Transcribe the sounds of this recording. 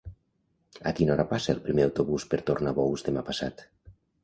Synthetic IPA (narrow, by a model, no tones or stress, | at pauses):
a̰kinɔɾapasaelˠpɾimeawt̪oβuspeɾt̪oɾnaβɔwzd̪emapasa̰t̪